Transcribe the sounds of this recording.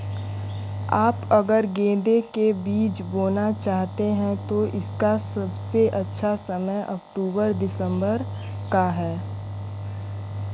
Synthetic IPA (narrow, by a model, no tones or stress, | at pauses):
aːpɐɡəɾɡẽːd̪ekebiːt͡ʃboːnat͡ʃaːɦt̪eɦɛ̃t̪oʔɪskasɐbseʔɐtːʃʰasɐməjʔɐk̚ʈuːbəɾd̪ɪsə̃mbəɾ | kaɦɛː